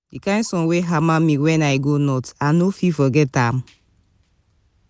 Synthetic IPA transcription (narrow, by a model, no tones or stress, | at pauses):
dikãɪ̃nsɔ̃nweɦamamĩwɛ̃najɡonɔtanofifɔɡɛtãm